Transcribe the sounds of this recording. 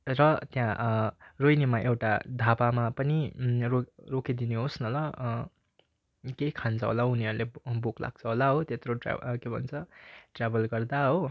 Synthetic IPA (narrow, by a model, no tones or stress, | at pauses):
rʌt̪jãrojnemaʔewʈa̰d̪ʱapamapʌnirorokid̪ineɦosnʌlʌ | kekʰant͡sʰʌɦo̰launiʌɾulebokla̰ɡ̚t͡sʰʌɦolaɦot̪et̪roʈr̰kebʱʌ̰nt͡sʰʌʈrabʌlɡʌrd̪aɦo